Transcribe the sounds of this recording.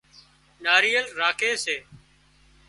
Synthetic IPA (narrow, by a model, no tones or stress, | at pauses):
naːɾiːəlɾaːkʰeːseː